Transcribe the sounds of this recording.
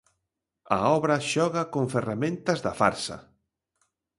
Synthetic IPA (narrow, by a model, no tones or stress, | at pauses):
ɐ̰ɔβɾɐʃɔɣɐkoɱferamẽnt̪ɐzðɐfa̰ɾsɐ̰